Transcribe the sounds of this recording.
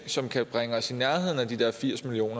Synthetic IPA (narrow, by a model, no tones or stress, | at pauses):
sɒ̽mkʰæb̥ʁaŋəɒsinæɐɦe̝ð̞̰ˠn̩æd̥id̥eɐ̰fiɐ̰smilio̝̰ːnɐ